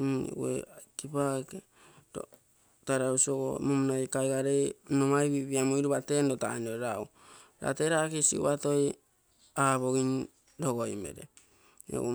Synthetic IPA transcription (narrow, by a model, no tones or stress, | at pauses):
n̰wḛkipake | ɾo̰ | taɾausioɡo̰mumunajkajɡaɾejnomajβiβiamoiɾuβatendotanoeɾau | ɾa̰teɾakisḭṵβato̞j | aβoɡin | doɡojmḛɾḛ | ḛu